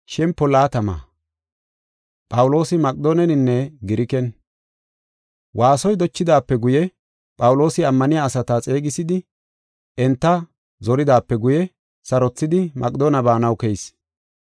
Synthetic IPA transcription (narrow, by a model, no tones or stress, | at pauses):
ʃɛmpːɔlaːt̪ɐma̰ː | pʼɐwʊlo̞ːsɪmɐkʼd̪oːnɛnɪnːɛɡɪɾɪkɛn | wʔaːsɔjd̪ɔt͡ʃːɪd̪aːpːɛɡʊjɛ | pʼɐwʊlo̞ːsɪɐmːɐnɪjaːsɐt̪at͡sʼe̞ːɡɪsɪd̪ɪ | ʔɛnt̪ːɐ | zɔɾɪd̪aːpːɛɡʊjɛ | sɐɾɔt͡sːɪd̪ɪmʔɐkʼd̪oːnɐbaːnɐwkɛjs